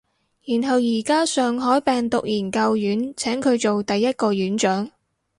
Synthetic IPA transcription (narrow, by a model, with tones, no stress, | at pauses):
jyː˨˩nɦɐ˨wjiː˨˩kaː˥sœː˨ŋɦɔː˨˥jpɛː˨ŋt̪ʊ˨k̚jiː˨˩nkɐ˧wjyː˨˥nt͡sʰɛː˨˥ŋkʰɵ˨˧ɥt͡so˨wt̪ɐ˨jːɐ˥t̚kɔː˧jyː˨˥nt͡ʃœː˨˥ŋ